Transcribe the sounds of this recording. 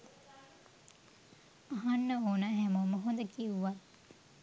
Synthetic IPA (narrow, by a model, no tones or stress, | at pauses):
aɦanːəoːnaːɦæmoməɦond̪əkiuʋat̪̚